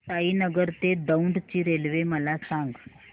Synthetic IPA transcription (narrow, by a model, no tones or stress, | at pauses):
t̪aɦiːnəɡəɾt̪ed̪əuɳɖt͡ɕiːɾelʋeməlasãŋɡ